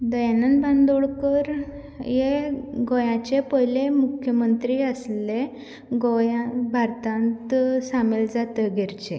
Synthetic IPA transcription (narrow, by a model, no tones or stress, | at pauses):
d̪əjanənband̪oɭkəɾ | jeɡojãt͡ɕepəjlemukʰjəmənt̪ɾiːəsle | ɡojãbʱaɾt̪ãnt̪sameld͡zat̪əɡʱeɾt͡ɕe